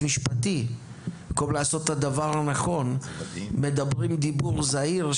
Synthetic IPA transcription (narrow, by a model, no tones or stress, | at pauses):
miʃpat̪i | komlaːso̞t̪ːad̪avaʁhanaχo̞nme̞d̪abʁimd̪ibuʁzaiʁ